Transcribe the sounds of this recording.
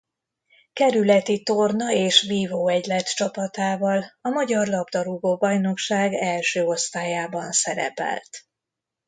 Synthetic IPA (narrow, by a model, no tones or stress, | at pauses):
kɛɾylɛt̪it̪ornɒeːʃviːvoːɛɟlɛt̪t͡ʃɒpɒt̪aːvɒlɒmɒɟɒrlɒbd̪ɒɾuɡoːbɒjno̞kʃaːɡɛlʃøːo̞st̪aːjaːbɒnsɛɾɛ̰pɛ̰lt̪